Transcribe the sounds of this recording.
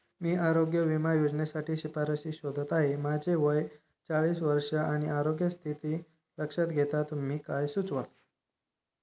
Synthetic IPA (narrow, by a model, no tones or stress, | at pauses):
miːaɾoɡjəʋimajod͡zɳjasaʈʰiːɕipaɾəɕiːɕod̪ʱət̪aɦemad͡ʑeʋəj | t͡saɭiːsʋəɾʂəaɽ̃iʔaɾoɡjəst̪ʰit̪iː | ɾəkʂat̪ɡʱet̪at̪umiːkajsut͡sʋal